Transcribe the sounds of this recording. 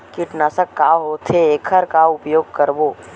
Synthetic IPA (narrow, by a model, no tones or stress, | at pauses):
kiʈnasəkːaːɦoːt̪ʰeeːkʰəɾkaʊpjoːɡ̚kəɾboː